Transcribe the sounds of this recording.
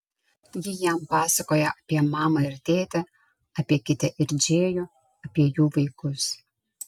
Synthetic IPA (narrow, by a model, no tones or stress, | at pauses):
jʲɪjɛmpɑːsɐkoːjɛʔɐpʲiɛmɑːmɐɪɾʲt̪ʲeːt̪ʲɛ | ɐpʲiɛkʲɪt̪ʲɛʔɪɾʲd͡ʒʲeːjoː | ɐpʲiɛjuːʋɐɪkʊs